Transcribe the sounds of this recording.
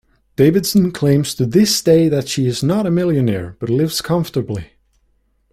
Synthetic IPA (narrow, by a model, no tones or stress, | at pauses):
d̥eɪvɨdsə̃n̩kʰl̥ẽɪ̃mz̥tʰɨðɪsd̥eɪðɨtʃiɪznəɾəmɪlˠjɨnɛ̰ɹb̥ʌtˡlɪvz̥kʰʌ̃ɱftə˞bli